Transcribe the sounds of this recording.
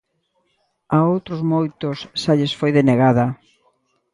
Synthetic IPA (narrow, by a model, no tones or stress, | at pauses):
aowt̪ɾozmojt̪ʊsːaʎesfojðeneɣaðɐ